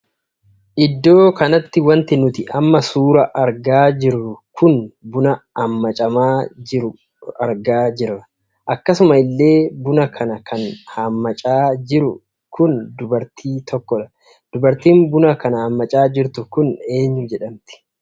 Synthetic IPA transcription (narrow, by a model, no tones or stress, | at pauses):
ʔɪd̪ːo̞ːkɐnɐt̪ːɪwɐnt̪ɪnʊt̪ɪʔɐmːɐsuːɾɐʔɐɾɡaːd͡ʒɪɾːʊkʊnbʊnɐɐmːɐt͡ʃʼɐmaːɪɾʊ | ɐɾɡaːd͡ʒɪrːɐ | ʔɐkːɐsʊmɐɪlːe̞ːbʊnɐkʰɐnɐkʰɐnhɐmːɐt͡ʃʼaːd͡ʒɪɾʊ | kʊnd̪ʊbɐɾt̪ʰiːt̪ʰɔkːɔᶑɐ | d̪̥ʊbɐɾt̪iːmbʊnɐkɐnɐhɐmːɐt͡ʃʼaːd͡ʒɪɾt̪ʊkʊne̞ːɲːʊd͡ʒɛᶑɐmt̪ɪ̥